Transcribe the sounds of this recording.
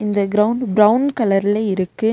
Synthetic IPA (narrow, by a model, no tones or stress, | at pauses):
ɪnd̪ɐɡɪɾɐʊɳɖbɾɐʊnkɐlɐɾɪlɐɪɾɯkːɯ